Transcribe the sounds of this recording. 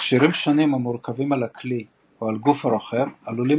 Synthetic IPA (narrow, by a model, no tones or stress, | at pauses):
ʃiɾimʃanimamuɾkavimalakli | oalɡufhaɾoχemaluli